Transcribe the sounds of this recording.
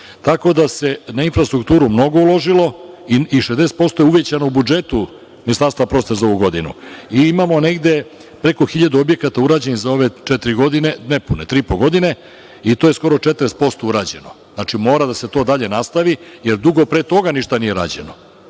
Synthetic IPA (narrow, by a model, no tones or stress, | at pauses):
t̪ako̞d̪ase̞nainfɾast̪ɾukt̪uːɾumno̞ɡo̞ulˠo̞ʐilo̞iiʃezd̪eset̪̚po̞st̪o̞jeuʋje̞t͡ɕanoubud͡ʒe̞t̪u | minist̪aɾst̪ʋapɾo̞st̪ezao̞ʋuɡo̞d̪inṵiimamo̞ne̞ɡd̪e̞ | pɾe̞koxiʎad̪uobje̞kat̪auɾaːd͡ʑe̞nizao̞ʋe̞t͡ʃet̪iɾiɡo̞d̪inenepunet̪ɾiipo̞ɡo̞d̪ine̞ | it̪oːje̞sko̞ɾot͡ʃet̪ɾest̪̚po̞st̪ouɾad͡ʑe̞̰no̞znat͡ʃimo̞ːɾad̪ase̞t̪o̞d̪aʎe̞nast̪aʋije̞ɾd̪uɡo̞pɾet̪o̞ɡaniʃt̪anije̞ɾa̰ːd͡ʑe̞̰no